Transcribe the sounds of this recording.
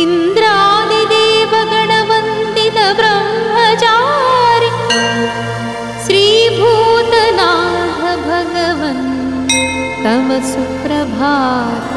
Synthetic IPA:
ind̪ɾaːd̪id̪eːʋɐɡɐɳɐʋɐnt̪it̪ɐbɾɐmɦɐt͡ʃaɾi | ʃɾiːbʱuːt̪ɐnaːd̪ʱɐbʱɐɡɐʋɐn | t̪ɐmɐsukɾɐbʱaː

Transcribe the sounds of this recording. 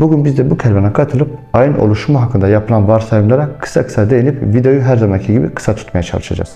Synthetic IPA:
buɟynbizd̪ɛbucʰɛlʲvɛnɛkʰat̪ʰɯlˠɯp̚ajɯno̞̰lˠuʃumaɦakʰːɯnd̪ajapʰɯlˠanvaɾsajɯmlˠaɾakʰɯ̥sakʰɯ̥sad̪ejinipvid̪ejuɦæɾzamancʰiɟibḭkʰɯ̥sat̪ʰu̥t̪majat͡ʃʰa̰lˠɯʃa̰d͡ʒa̰z̥

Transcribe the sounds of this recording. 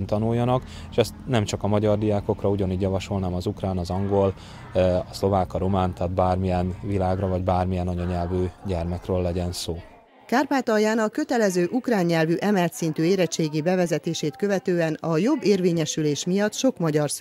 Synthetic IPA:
nt̪ɒnujːɒnɒk | eʃɛst̪nɛmt͡ʃɒkɒmɒɟɒrd̪ijaːko̞krɒuɟɒniːɟjɒvɒʃo̞lnaːmɒzukraːnɒzɒŋɡo̞l | ɒslo̞vaːkɒɾo̞maːnt̪aːd̪̚baːrmijɛnvilaːɡrɒvɒɟbaːrmijɛnɒɲɒɲɛlvyːɟɛrmɛkrøːlːɛɟɛnsoː | kaːrpaːt̪ɒjaːnɒkø̞t̪ɛlɛzøːʔukraːɲːɛlvyʔɛmɛlt̪sint̪yːeːɾɛt͡ʃːeːɡibɛvɛzɛt̪eːʃeːt̪kø̞vɛt̪øːɛnɒjo̞bːeːrveːɲɛʃyleːʃmijɒt̪ʃo̞kmɒɟɒrs

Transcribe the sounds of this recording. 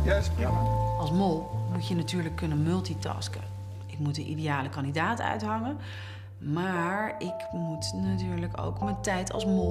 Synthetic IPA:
js | ɑlˠsmolˠmutjənatyːɹləkːɵnənmɵlˠtitɑ̰skə̰ | ʔɪkmutdənʔḭdejaːləkɑndidaːtœ̰ɥtɦɑŋən | maːɹɪkmutnatyːɹləko̰wkməntɛjtɑ̰lˠsmolˠ

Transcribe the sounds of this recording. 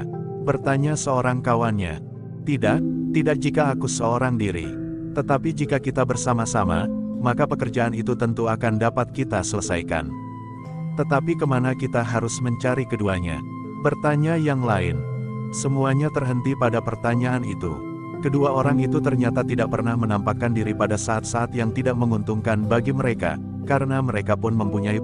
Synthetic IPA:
bərt̪aɲasəoɾaŋkawanɲa̰ | t̪idaʔt̪idak̚d͡ʒikaːkusəoɾaŋdiɾḭ | t̪ət̪apid͡ʒikakit̪abərsamasama̰makapəkərd͡ʒaːnit̪ut̪ənt̪uakandapat̪̚kit̪asələsa̰jka̰n | t̪ət̪apikəmanakit̪aɦaɾʊsməɲt͡ʃaɾikəduaɲa̰ | pərt̪aɲajaŋlaɪnsəmuaɲat̪ərɦənt̪ipadapərt̪aɲaːnit̪ṵ | kəduaoɾaŋit̪ut̪ərɲat̪at̪idaʔ̚pərnahmənampakandiɾipadasaːt̪̚saːt̪jaŋt̪idaʔ̚məŋunt̪uŋkanbaɡiməɾeka̰ | kaɾənaməɾekapʊnməmpuɲai

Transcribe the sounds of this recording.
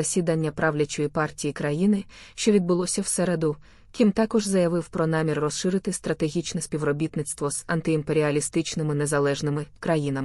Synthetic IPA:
ɐsʲid̪ɐnʲːɐpɾɑʋlʲɐt͡ʃɔjipɑrtʲijikɾɐjinɪ | ʃt͡ʃɔʋʲid̪̚bʊlˠɔsʲɐwsɛɾed̪ʊ | kʲimt̪ɑkɔʒzɐjɐʋɪwpɾɔnɑmʲirːɔsʃɪɾɪt̪ɪst̪ɾɐt̪e̞ɦʲit͡ʃnɛsʲpʲiwrɔbʲit̪nɪt̪st̪ʋɔz̥ɐnt̪ɪimpe̞ɾʲiɐlʲist̪ɪt͡ʃnɪmɪnezɐlˠɛʒnɪmɪkɾɐjinɐmɪ

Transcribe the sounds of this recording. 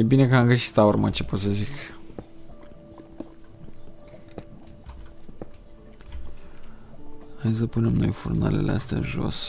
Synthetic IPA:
jebine̞kəamɡəsi̥t̪laurmət͡ʃe̞pot̪səzik | ajs̬əpune̞mno̞jfurna̰le̞̰least̪ea̰ʒo̞̰s

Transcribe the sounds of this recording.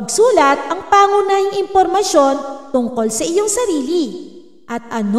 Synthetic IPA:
ɐɡsuːlɐt̪̚ʔɐŋpaːŋʊnaːjɪŋɪmpoɾmɐʃo̞nt̪ʊŋko̞lsɐʔɪjo̞ŋsɐɾiːli | ʔɐt̪̚ʔɐn

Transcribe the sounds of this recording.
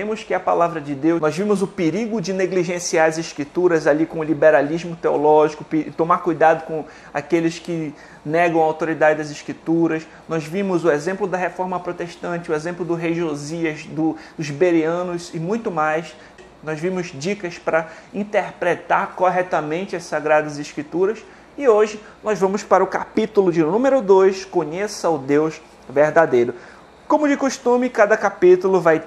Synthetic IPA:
ẽmʊskɪɐpalavɾɐd͡ʒɪd̪ewnɔzvĩmʊzʊpeɾiɡʊd͡ʒɪneɡliʒẽsiaɾɐziʃkɾit̪uɾɐzalikõʊlibeɾalizmʊt̪eolɔʒikʊpt̪õmaɾkujd̪ad̪ʊkõ | a̰kelɪskɪ | nɛɡɐ̃w̃ɐawt̪oɾid̪ad͡ʒɪd̪ɐzɪʃkɾit̪uɾɐs | nɔzvĩmʊzʊezẽmplʊd̪ɐɦefɔɾmɐpɾot̪eʃt̪ɐ̃nt͡ʃɪʊezẽmplʊd̪ʊɦejʒoziɐzd̪ʊd̪ʊzbeɾiɐ̃nʊzɪmũj̃t̪ʊmajs | nɔzvĩmʊzd͡ʒikɐspɾɐĩnt̪eɾpɾet̪aɾkoɦɛt̪ɐmẽnt͡ʃɪɐsaɡɾad̪ɐzɪʃkɾit̪uɾɐs | ɪoʒɪ | nɔzvɐ̃mʊspaɾɐʊkapit̪ulʊd͡ʒɪnũmeɾʊd̪ojskõɲesɐʊd̪ewz | veɾd̪ad̪ejɾʊ | kõmʊd͡ʒɪkoʃt̪ũmɪkad̪ɐkapit̪ulʊvaj

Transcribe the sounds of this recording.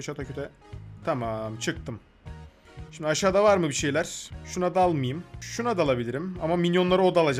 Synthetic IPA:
t͡ʃat̪ʰacʰøt̪ʰɛt̪ʰamamt͡ʃʰɯk̚t̪ʰɯm | ʃimd̪iaʃaːd̪avaɾmɯbiʃe̞jlʲæɾ̥ʃunad̪alˠmɯjɯmʃunad̪alˠabilʲiɾimamamilʲjo̞nlˠaɾɯo̞d̪alˠad͡ʒ

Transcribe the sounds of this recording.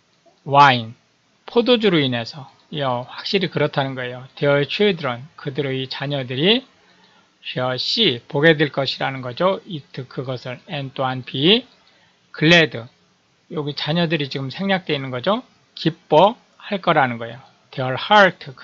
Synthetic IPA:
wain | pʰodod͡ʑuɾuine̞sʰʌ | jʌɸwak̚ɕ͈iɾikɯɾʌtʰanɯnɡʌe̞joteʌɭt͡ɕʰudɯɾʌnkɯdɯɾoit͡ɕaɲʌdɯɾi | ɕʰʌɕ͈ipoɡe̞dweɭk͈ʌɕʰiɾanɯnɡʌd͡ʑoitʰɯkʰɯɡʌsʰɯɾent͈oɦanpi | kʰɯɭːedɯ | joɡit͡ɕaɲʌdɯɾit͡ɕiɡɯmsʰe̞ŋɲak̚t͈we̞inɯnɡʌd͡ʑo | kip͈ːʌ | haɭk͈ʌɾanɯnɡʌe̞̰jo | teʌɭhaɭtʰɯ

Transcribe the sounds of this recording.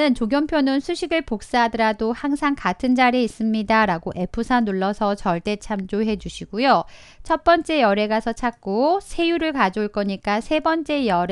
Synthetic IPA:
ɯnt͡ɕoɡjʌmpʰjonɯnsʰuɕʰiɡɯɭpok̚s͈adɯɾadohaŋsʰaŋkatʰɯnd͡ʑaɾeis͈ɯmɲidaɾaɡoʔe̞pʰusʰanuɭːʌsʰʌt͡ɕʌɭt͈e̞t͡ɕʰamd͡ʑoɦe̞d͡ʑuɕʰiɡujo | t͡ɕʰʌt̚p͈ʌnt͡ɕ͈e̞jʌɾe̞ɡasʰʌt͡ɕʰak̚k͈osʰe̞juɾɯɭkad͡ʑouɭk͈ʌɲik͈asʰe̞bʌnt͡ɕ͈e̞jʌɾ

